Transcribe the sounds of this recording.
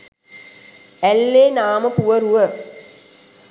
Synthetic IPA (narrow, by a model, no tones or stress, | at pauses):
ælːeːnaːməpuʋəɾuʋə